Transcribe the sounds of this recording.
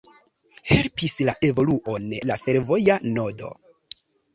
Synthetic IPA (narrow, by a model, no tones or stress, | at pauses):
he̞lpislaʔe̞vo̞luʔonlafe̞ɾvo̞jano̞do̞̰